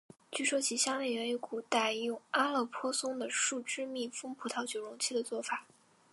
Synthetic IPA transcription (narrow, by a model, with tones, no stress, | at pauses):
t͡ɕy˥˩ʂwɔ˥t͡ɕʰi˧˥ɕjɑ˥ŋle˥˩ɥɛ˧˥y˧˥ku˨˩t̪a˥˩jʊ˥˩ŋa˥lɤ˥˩pʰwɔ˥sʊ˥ŋd̪ə˨ʂu˥˩ʈ͡ʂɻ̩˥mi˥˩fɤ˥ŋpʰu˨˥˩t̪ʰɑ˥ʊt͡ɕjo˨˩ʊɻʊ˧˥ŋt͡ɕʰi˥˩d̪ə˩t͡swɔ˥˩fa˨˩˦